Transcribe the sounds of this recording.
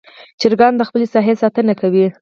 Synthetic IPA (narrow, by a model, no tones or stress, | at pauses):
t͡ʃɪɾɡɑnd̪əxpəlesɑɦesɑt̪ənakawi